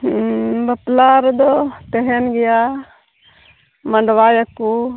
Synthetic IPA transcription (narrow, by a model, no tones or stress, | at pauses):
bɐplaɾd̪ɔt̪ɛɦɛnɡɛja | mɐɳɖʋajakːu